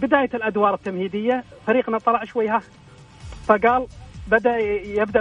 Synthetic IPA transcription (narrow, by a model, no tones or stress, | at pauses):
bɪd̪aːjalʔad̪wɑːɾˤɪt̪ːamhiːd̪ɪjːafaɾiːqnɑt̪ˤːɑlɑʕʃwajːha | faɡaːlbad̪aʔjɪbd̪a